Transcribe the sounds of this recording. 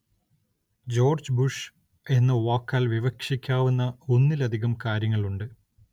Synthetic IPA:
d͡ʑo̞ːrd͡ʑbuʂ | e̞nːɨʋaːkːaːlʋiʋɐkʂikʲːaːʋunːɐunːilɐd̪ʱiɣɐmkaːɾjɐŋːɐɭuɳɖɨ

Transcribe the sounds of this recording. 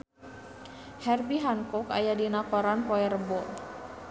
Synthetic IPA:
hɛrbiɦankɔka̰jadinakɔɾanpɔɛrəbɔ

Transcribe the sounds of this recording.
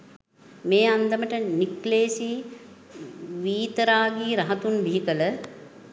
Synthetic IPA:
meːand̪əməʈənikleːsi | ʋiːt̪əɾaːɡiːɾɐɦɐt̪unbiɦikələ

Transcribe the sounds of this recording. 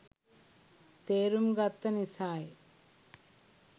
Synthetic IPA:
t̪eːɾumɡɐt̪ːɐnisaːj

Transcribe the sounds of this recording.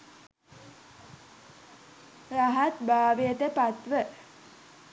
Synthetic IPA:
raɦat̪baːʋejət̪əpat̪ʋə

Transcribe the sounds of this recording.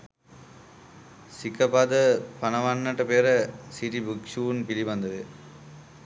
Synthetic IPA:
sikːɐbaːd̪ɐpɐnɐʋanːɐʈːɐpeːɾɐsiʈibukʂuːnpiliʋɐnd̪ɐðɯ

